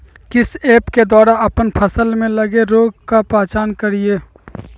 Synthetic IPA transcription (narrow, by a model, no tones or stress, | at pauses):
kɪseːpked̪aːɾaɐpənpʰəsəlmẽləɡeɾoːɡ̚kapaːt͡ʃaːnkəɾieː